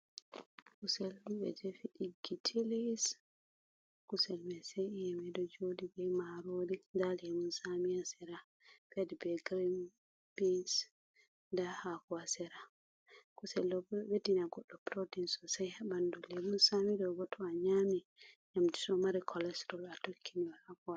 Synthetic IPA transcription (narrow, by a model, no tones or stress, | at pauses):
kusɛldubɛ̰d͡ʒefiɗiɡitʰilis | kusɛlmɛsɛjɛmɛdɔd͡ʒodibɛmaɾodindalɛmunsamiasɛɾa | fɛdbɛɡɾim | bins | ndahakɔwasɛɾa | kusɛldɔbɛwedinaɡɔɗːɔpɾɔdinsɔsajɛbandulɛmunsamidɔɡɔtʰɔaɲami | ɲamti̥sɔmaɾikʰɔlɛstɔlatokʰːiniwɛhakɔwa